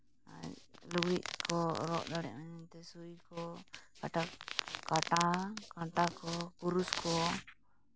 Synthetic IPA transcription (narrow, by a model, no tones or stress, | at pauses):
a̰luɡiʔkʰɔɾɔ̰ʔd̪aɽɛ̰ʔmaɲɛnt̪ɛsujkɔkaʈakaʈakãʈakɔkuɾuskɔ